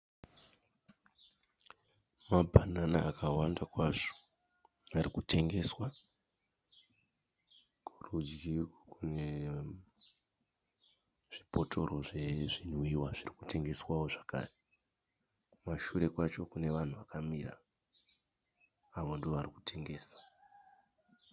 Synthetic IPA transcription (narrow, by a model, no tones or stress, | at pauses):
mabʱananaːkʰawandakwaʐo̥ | arikutʰe̞ŋɡe̞swa | kurud͡ʒɡʱirokune̞ | ʐ̥ipo̞tʰo̞ro̞ʐe̞ʐin̤wiwaʐirikutʰe̞ŋɡe̞swawo̞ʐaka̰ːre | maʃuɾe̞kwat͡ʃo̞kune̞ʋan̤uʋakamira̰ | ʋo̞ndioʋariku̥tʰe̞ŋɡe̞ːsḁ